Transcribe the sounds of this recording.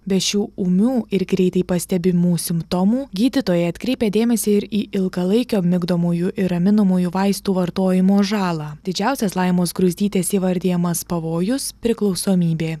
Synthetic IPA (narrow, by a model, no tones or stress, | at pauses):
bʲɛt̪ʃʲuːumʲuːɪɾɡɾʲɛɪt̪ɐɪpɐsʲt̪ʲɛbʲɪmuːsʲɪmpt̪ɔmuːɡʲiːd̪ʲɪt̪oːjɛɐt̪ʲkɾʲɛɪpʲeːd̪ʲeːmʲɛsʲeːɪɾiːʔɪlˠɡɐlˠɐɪkʲoːmʲɪɡd̪oːmuːjuʔɪɾɐmʲɪnɐmuːjuːʋɐɪst̪uːʋɐɾt̪oːjɪmoːʒɑːlˠɑːd̪ʲɪd͡ʒʲæˑʊsʲɛslˠɐɪmoːsɡɾʊzʲd̪ʲiːt̪ʲeːsiːʋɐɾʲd̪ʲejɛmɐspɐʋoːjʊspʲɾʲɪklˠɒʊsoːmʲiːbʲeː